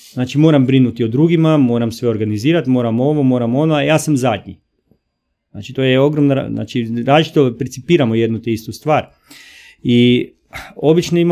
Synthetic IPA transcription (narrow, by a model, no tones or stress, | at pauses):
znaːt͡ʃimo̞ːɾambɾinut̪iod̪ɾuɡimamo̞ːɾamsʋe̞o̞ɾɡaniziːɾat̪mo̞ːɾamo̞ʋomo̞ːɾamo̞noajaːsamzad̪ɲḭ | zna̰ːt͡ʃit̪ojeo̞ɡɾomnaa̰na̰ːt͡ʃiɾaːzlit͡ʃit̪opɾet̪sipiːɾamoje̞d̪nut̪eist̪ust̪ʋaːɾ | i | o̞bit͡ʃnoima